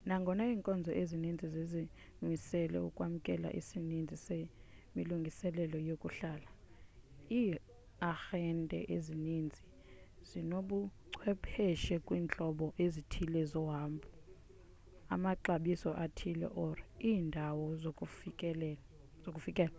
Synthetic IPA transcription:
naŋɡʱɔnaiːŋkʼɔnd͡zʱɔʔezinind͡zʱizezi | misɛlɛ̰ṵkʼwam̩kʼɛla̰ʔisinind͡zʱise | miluŋɡʱisɛlɛlɔjokʼuɬaːla | iː | axɛntʼɛ̰ʔezinind͡zʱi | z̥inoɓuǀʰwɛpʰɛʃɛkʼwiːnt͡ɬʼɔɓɔʔezitʰilɛzɔɦaːmbʰʱu | a̰maǀaɓisɔʔatʰilɛ̰ʔɔraiːndʱawɔzʼkː | zokʼufikʼɛːla

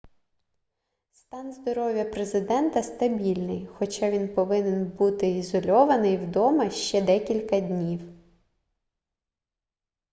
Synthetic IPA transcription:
st̪ɑnzd̪ɔɾɔʋʲjɐpɾezɪd̪ɛnt̪ɐst̪ɐbʲilʲnɪjxɔt͡ʃɑʋʲinpɔʋɪnɪnbut̪ɪizɔlʲɔʋɐnɪjwd̪ɔmɐʃt͡ʃɛd̪ɛkʲilʲkɐd̪ʲnʲiw

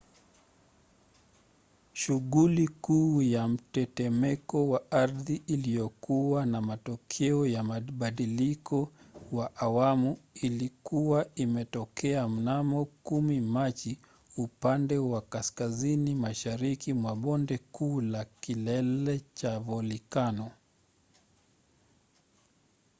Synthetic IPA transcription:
ʃuɣulikuːjam̩tɛtɛmɛkɔwaaɾðiːlijɔkuwanamatɔkʰɛɔjamaɓaɗilikɔwaʔawamuilikuwaimɛtɔkɛam̩namɔkumimat͡ʃi | upandɛwakaskazinimaʃaɾikimwaɓɔndɛkuːlakilɛlɛt͡ʃavɔlikanɔ

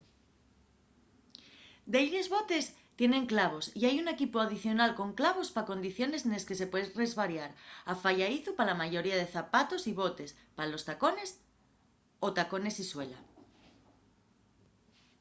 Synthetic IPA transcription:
d̪e̞jɾezβo̞t̪e̞s | t̪je̞ne̞ŋklaβ̞o̞siajune̞kipoaðiθjo̞nalko̞ŋklaβ̞o̞spako̞nd̪iθjo̞ne̞seneske̞se̞pweðre̞zβaɾjaɾafaʝaiθupalamaʝo̞ɾiað̞e̞θapat̪o̞siβ̞o̞t̪e̞spaalo̞st̪ako̞ne̞s | o̞t̪ako̞ne̞siswe̞la

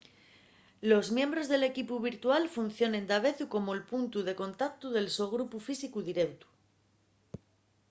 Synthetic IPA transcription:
lo̞zmje̞mbɾo̞zðe̞le̞kipuβ̞iɾt̪ualfun̟θjo̞ne̞nd̪aβ̞e̞θuko̞moelpunt̪uðe̞ko̞nt̪akt̪uð̞e̞lsoɣ̞ɾupufisikuðiɾe̞wt̪u̥

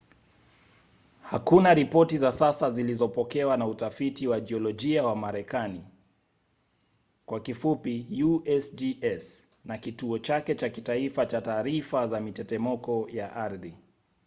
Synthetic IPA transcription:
hakunaɾipɔtizasasazilizɔpɔkɛwanautafitiwad͡ʒiɔlɔʄiawamaɾɛkani | kwakifupijuɛsd͡ʒiɛs | nakituɔt͡ʃakɛt͡ʃakitaifat͡ʃataːɾifazamitɛtɛmɔkɔjaʔaɾði

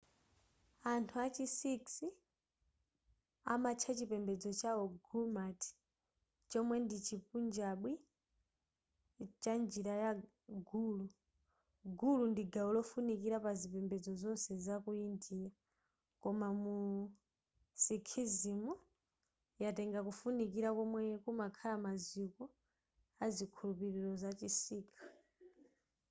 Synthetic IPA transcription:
antʰuat͡ʃisiksi | amat͡ʃʰat͡ʃipɛmbɛd͡zɔt͡ʃaɔɡumatʰi̥ | t͡ʃɔmwɛndit͡ʃipund͡ʒaɓwi | t͡ʃand͡ʒiɾaja | ɡulu | ɡulundiɡaulɔfunikiɾapazipɛmbɛd͡zɔzɔnsɛzakuindija | kɔmamu | sikʰizimu | jatɛŋɡakufunikiɾakɔmwɛkumakʰalamazikɔ | azikʰulupiɾiɾɔzat͡ʃisiːkʰḁ

